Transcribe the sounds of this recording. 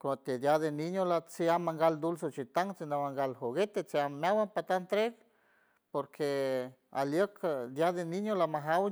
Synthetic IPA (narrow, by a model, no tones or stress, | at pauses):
kot̪ed̪jad̪eniɲolat͡siamːaŋɡald̪uls̬ot͡ʃit̪aŋt͡sinamaŋɡalɦoɡet̪et͡seammawanpat̪ant̪ɾek | poɾkʰe | aljəkd̪jad̪eniɲolamaɦaw